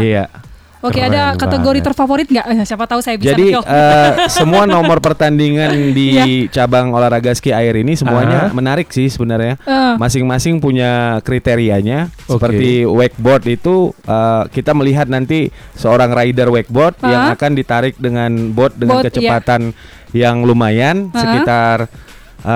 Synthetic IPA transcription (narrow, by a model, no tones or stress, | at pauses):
ija | okadakat̪əɡoɾit̪ərfafoɾit̪̚ŋɡaʔsiapat̪ausajabid͡ʒsadiəsəmuanomɔrpərt̪andiŋandit͡ʃabaŋolaɾaɡaskiaɪɾinisəmuaɲamənaɾɪk̚sɪhsəbənarɲamasɪŋmasɪŋpuɲakɾit̪eɾiaɲasəpərt̪iwɛk̚bɔt̪̚it̪uʔəkit̪aməliɦat̪̚nant̪isəoɾaŋraidərwɛk̚bɔt̪̚jaŋakandit̪aɾɪk̚dəŋanbɔt̪̚dəŋankət͡ʃəpat̪an | jaŋlumajansəkit̪ar | ʔə